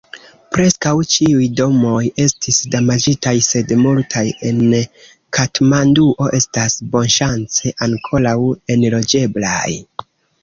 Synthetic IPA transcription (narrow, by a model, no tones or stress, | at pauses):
pɾe̞skawt͡ʃiujdo̞mo̞je̞stisdamad͡ʒitajse̞dmultʰaje̞n | kʰatmanduʔo̞ʔe̞stasbo̞nʃant͡se̞ʔaŋkʰo̞lawe̞nlo̞d͡ʒe̞blaj